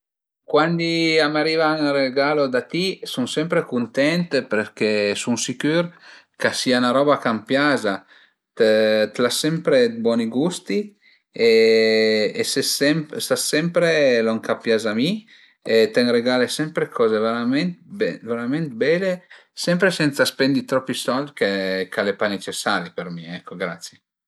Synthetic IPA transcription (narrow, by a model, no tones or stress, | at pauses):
kwand̪iamaɾivaŋreɡaːlod̪at̪isuŋsɛmpɾekunt̪ɛnt̪peɾkesunsikyɾkasianaɾɔːbakampjaza | t̪t̪lasɛmpɾed̪bwɔːniɡust̪i | eː | sesɛmpsasɛmpɾeloŋkapjazami | et̪ɛŋreɡalesɛmpɾekʰɔːzeveɾament̪bɛveɾament̪bɛlesɛmpɾesɛnt̪saspɛnd̪it̪ɾɔpːisɔld̪kekalepanet͡ʃesːaɾipeɾmiɛkːoɡɾat̪sje